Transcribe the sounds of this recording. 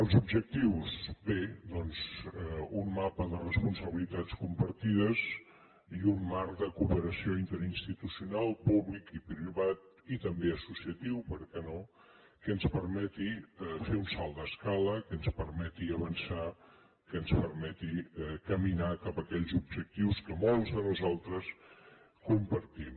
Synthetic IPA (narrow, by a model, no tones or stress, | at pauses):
əlˠzubʒək̚t̪iwzbed̪ɔnzɛunmapəðərəspunsəβilit̪at͡skumpəɾt̪iðəz | iunmaɾkd̪əkupəɾəsioint̪əɾinst̪it̪usiunalˠpuβlikipɾiβat̪̚ | it̪əmbeəsusiət̪iwpəɾkɛno | kəːnspəɾmɛt̪iɛfeunsalˠd̪əskaləkənspəɾmɛt̪iəβənsa | kəːnspəɾmɛt̪iɛkəminakapəkɛʎzubʒək̚t̪iwskəmolˠzðənuzalˠt̪ɾəs | kumpəɾt̪im